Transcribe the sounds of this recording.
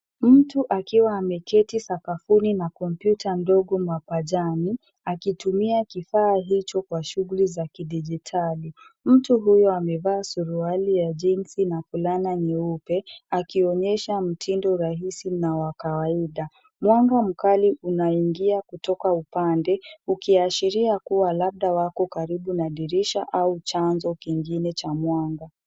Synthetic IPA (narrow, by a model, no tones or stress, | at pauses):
m̩tuʔakiwaːmɛkɛtisakafuninakɔmpjutʰandɔɠɔmwapaʄani | akitumiakifaːɦit͡ʃɔkwaʃuɣulizakiɗid͡ʒitʰalim̩tuɦujɔamɛvaːsuɾualijaʄinsinafulanaɲɛupɛakiɔɲɛʃam̩tʰindɔɾaɦisinawakawaiɗa | mwaŋɡam̩kaliʔunaiŋɡiakutɔkaupandɛukiaʃiɾiakuwalaɓ̚ɗawakɔkaɾiɓunaɗiɾiʃaʔaut͡ʃanzɔkiŋɡinɛt͡ʃamwaŋɡa